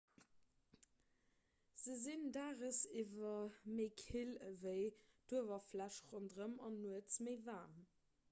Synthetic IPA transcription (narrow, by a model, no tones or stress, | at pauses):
z̥əzindaːʁəsivɐməɪkʰilvəɪd̥uəvɐflæʃʁondʁəmɑnːuət͡sməɪvaːm